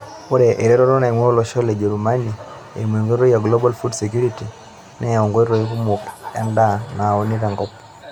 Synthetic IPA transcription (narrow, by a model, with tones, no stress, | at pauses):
pɔ˦ɾɛ˨ʔe˨ɾɛ˦ɾɔ˦ɾɔ˦na˨i˨mwɔ˦ɔ˦lɔ˨ʃɔ˦le˨d͡ʒɛ˨ɾuma˦ni | ḛ˨mwe˨ŋɡo˦ɾɔ˦ja˨ɡlɔ˦ba˦lfu˦dsek̬ju˦ɾiti | nɛɔŋɡɔ˦ɾɔ˨i˦ku˦mu˨ka˦ndana˨o˨niɾa˨ŋɡɔp